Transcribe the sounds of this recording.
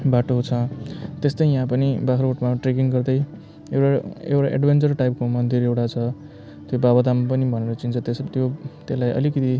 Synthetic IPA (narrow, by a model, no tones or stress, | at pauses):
baʈoɦt͡sʰʌt̪est̪ʌjjɦãpʌnibakʰɾoʈmaʈrek̬iŋɡʌrd̪ʌj | ewʈaḛwʈaʔḛɖbent͡sʌrʈajp̚komʌnd̪iɾewʈat͡sʰʌ | t̪jobabʌd̪amapʌnibʱʌneɾʌt͡sint͡sʰʌt̪est̪jot̪elajʌ̰likʌt̪i